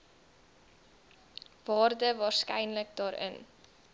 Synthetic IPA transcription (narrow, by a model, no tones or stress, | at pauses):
vɑːrdəvɑːrskɛjnlək̚dɑːɾʔə̰n